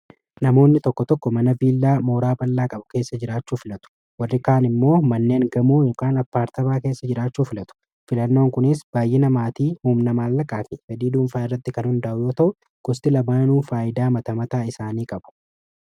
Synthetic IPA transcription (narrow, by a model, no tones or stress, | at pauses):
nɐmo̞ːnːɪt̪ɔkːɔt̪ɔkːɔmɐnɐbiːlːaːmoːɾaːbɐlːaːkʼɐbʊke̞ːsːɐd͡ʒɪɾaːt͡ʃːuːfɪlɐt̪ʊ̥ | wɐrːɪkaːnɪmːo̞ːmɐnːe̞ːŋɡɐmuːjo̞ːkaːnɐpːaːɾt̪ɐmaːke̞ːsːɐd͡ʒɪɾaːt͡ʃːuːfɪlɐt̪ʊ̥ | fɪlɐnːo̞ːŋkʊnɪsb̥aːjːɪnɐmaːt̪iːhuːmnɐmaːlːɐkʼaːfɪsɐd̪iːd̪uːnfaːɪrːɐt̪ːɪkɐnhʊnd̪ɐʔʊjo̞ːt̪ɐʔʊ | ɡ̥ʊst̪ɪlɐbaːnuːfaːʔɪd̪aːmɐt̪ɐmɐt̪aːɪsaːniːkʼɐbʊ̥